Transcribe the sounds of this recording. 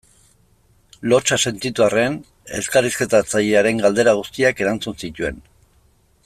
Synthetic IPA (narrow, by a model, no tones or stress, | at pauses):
lo̞t͡ʃase̞nt̪it̪uare̞n | e̞skariske̞t̪at͡saʎeaɾe̞ŋɡald̪e̞ɾaɣ̞ust̪iake̞ɾant͡sunsit̪ue̞n